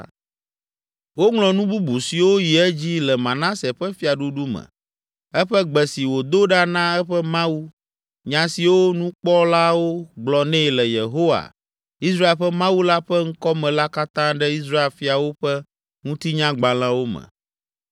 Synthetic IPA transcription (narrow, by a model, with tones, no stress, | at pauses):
wo˦ŋlɔ̃˨nũ˦bu˦bu˨si˨wo˦ji˨ɛ˦d͡ʑi˦lɛ˨mã˨nã˦sɛ˨ɸɛ˦fi˦a˨ɖu˦ɖu˦mɛ̰̃˨ | ɛ˦ɸɛ˦ɡ͡bɛ˨si˨wo˨d̪o˦ɖa˦nã˦ɛ˦ɸɛ˦mã˦wu˦ | ɲã˨si˨wo˦nũ˦k͡pɔ˦la˦wo˦ɡ͡blɔ˨nɛ̃˦˨lɛ˨je˨ɦo˦wa̰˨ | i˦sɾa˦e˨lɸɛ˦mã˦wu˦la˦ɸɛ˦ŋ̩˦kɔ˦mɛ̃˨la˦ka˦t̪ã˦ɖɛ˦i˦s̬ɾa˦e˦˨lfi˦a˨wo˦ɸɛ˦ | ŋũ˦t̪i˦ɲã˦ɡ͡ba˨l̃ã˦wo˦mɛ̰̃˨